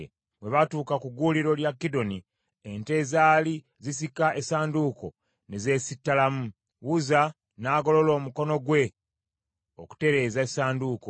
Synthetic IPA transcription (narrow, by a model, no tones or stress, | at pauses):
βwe̞βatuːkakuɡuːliɾo̞ljakːido̞ni | ente̞zaːli | zis̬ikaʔe̞saːnduːko̞̰ | neze̞ːsitːalamu | wuza | naːɡo̞lo̞lo̞ːmuko̞no̞ɡwe̞ | oku̥te̞ɾe̞ːzaesaːnduːko